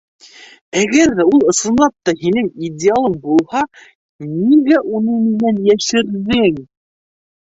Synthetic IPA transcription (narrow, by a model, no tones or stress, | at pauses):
æɡæɾðæulˠɤ̆sɤ̆nlˠɑp̚t̪ɑhinɘŋidʲɪalˠɤɴbulˠhɑ | niɡæʔunɤmɘ̆nænjæʃɘ̆ɾðɘŋ